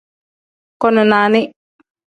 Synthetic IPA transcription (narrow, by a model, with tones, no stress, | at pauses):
kɔ˦nʊ˨naː˨nɪ˦